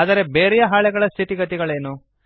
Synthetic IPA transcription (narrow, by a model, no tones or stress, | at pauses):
aːd̪ɐɾe̞beːɾɛjɐɦaːɭɛɡɐɭɐst̪ʰit̪iɡɐt̪̬iɡɐɭe̞ːnu